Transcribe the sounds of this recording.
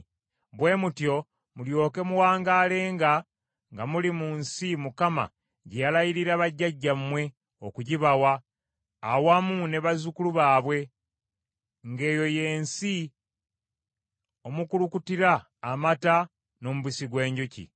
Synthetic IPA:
βwe̞ːmutjo̞ | muljo̞ːke̞muwaːŋɡaːle̞ːŋɡa | ŋɡamulimunsimukama̰ | ɟejalajiɾiɾaβaɟːaɟːammːwe̞ | okuɟiβawaː | wamune̞βazukuluβaːβwe̞ | ŋɡe̞ːjo̞je̞ːnsi | o̞mukulukutiɾaː | mata | no̞muβisiɡwe̞ːɲɟucḭ

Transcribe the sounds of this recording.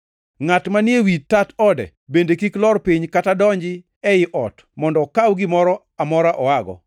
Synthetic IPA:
ŋatmanjewitːatɔdɛ̰ | bendekiklɔrpiɲkatadɔɲd͡ʒɪ | ɛɪʔɔt | mɔndɔkawɡɪmɔɾɔ | amɔɾaʔɔaɡɔ̰

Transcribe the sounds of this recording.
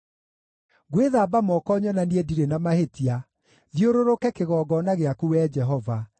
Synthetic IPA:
ɣweðabamɔkɔɲɔnaniediɾenamahetia | ðioɾoɾokɛkeɣɔːɡɔnaɣeakuwɛd͡ʒɛɦɔva

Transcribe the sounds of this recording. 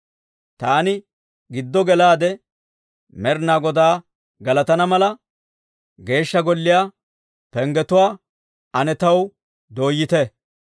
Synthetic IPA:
t̪aːnɪ | ɡɪd̪ːɔɡɛlaːd̪ɛ | mɛɾnaːɡɔd̪aː | ɡɐlɐt̪ɐnɐmɐlɐ | ɡe̞ːʃːɐɡɔlːɪjaː | pɛŋɡɛt̪ʊwaː | ɐnɛt̪ɐw | d̪o̞ːjːɪt̪ɛ

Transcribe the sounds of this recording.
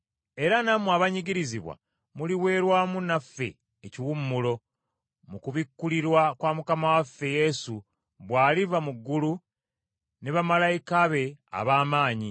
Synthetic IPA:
e̞ɾanamuaβaɲiɟiɾiziβwa̰ | muliwe̞ːɾwaːmunafːe̞̰ː | ciwumːulo̞ | mukuβikːuliɾwakwaːmukamawafːe̞je̞su | βwaːlivamuɡːulu | ne̞βamalajikaβe̞a̰βaːmaːɲi

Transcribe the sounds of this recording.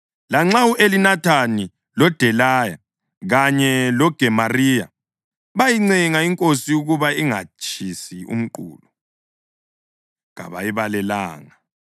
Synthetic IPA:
laŋ͡ǁauʔelinatʰani | lɔd̥ʱɛlaːja̰ | ɣaɲɛlɔɡ̥ʱɛmarija̰ | βajiŋ͡ǀiŋaiŋkʼosijuɣuβaiŋa̰t͡ʃʰʼisiṵm̩ǃṵːlu | ɣa̰βa̰jiβalɛla̰ːŋa

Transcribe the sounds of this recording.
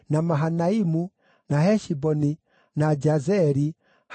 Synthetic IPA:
namaɦanaimu | nahɛʃibɔni | nad͡ʒazɛɾi | h

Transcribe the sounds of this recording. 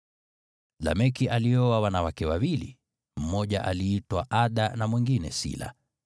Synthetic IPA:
la̰mɛkiʔaliɔwawanawakɛwawilḭ | m̩mɔʄaʔaliːtwaʔaɗanamwiŋɡinɛ̰sḭla̰

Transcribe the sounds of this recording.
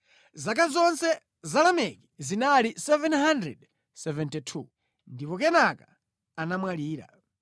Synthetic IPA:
zak̬azɔnsɛ | zalamɛki̥zinalisɛvɛnɦandɾɛ̰d | sɛvɛntitʰu | ndipɔk̬ɛnakaː | namwaliːɾa̰

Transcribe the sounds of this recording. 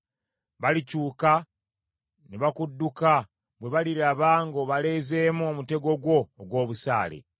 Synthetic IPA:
βalicuːka | neβakudːuka | βwe̞βaliɾaβaːŋɡo̞βale̞ːze̞ːmuomute̞ɡo̞ɡwo̞ːɡwo̞ːβusa̰ːlḛ

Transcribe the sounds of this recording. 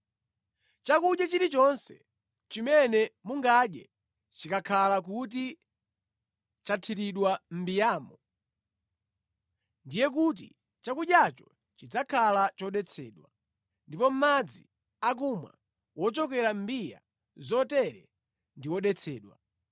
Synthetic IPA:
t͡ʃakuʄjat͡ʃiɾit͡ʃɔnsɛ | t͡ʃimɛnɛmuŋɡaɗjɛ | t͡ʃikakʰalak̬ut̬i | t͡ʃatʰiɾiɗwam̩bijaːmɔ | ndijɛk̬ut̬ḭ | t͡ʃakuʄjat͡ʃɔ̥ | t͡ʃid͡zakʰalat͡ʃɔɗɛt͡sʰɛ̰ːɗwa | ndipɔm̩mad͡zḭ | ak̬umwa̰ | wɔt͡ʃɔkɛɾam̩bija̰ | zɔtɛɾɛ | ndiwɔɗɛt͡sʰɛ̰ːɗwa̰

